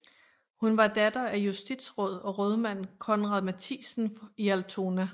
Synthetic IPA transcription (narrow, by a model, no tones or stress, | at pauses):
hunʋɑ̈d̥æd̥ɐæjusd̥id̥sʁɔ̽ð̞̰ˠɒ̽ʁɔð̞ˠmæn̰kʰɔɒ̽nʁɑðˠmæt͡sʰḭːsn̩iælt͡sʰo̝næ